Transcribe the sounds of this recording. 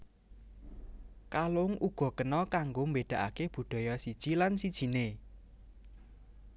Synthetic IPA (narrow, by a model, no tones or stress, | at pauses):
kalʊŋʔuɡ̥ɔ̤kənɔkaŋɡombeɖ̥ä̤ʔa̰keb̥ṳɖ̪̥ɔ̤jɔsid̥ʒ̥ilansid̥ʒ̥i̤ne